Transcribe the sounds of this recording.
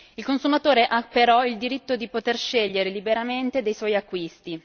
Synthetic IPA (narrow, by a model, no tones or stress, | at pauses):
ilkonsumat̪oːɾeʔapeɾɔild̪iɾit̪ːod̪ipot̪erʃeʎːeɾelibeɾament̪ed̪ejswɔjakːwist̪i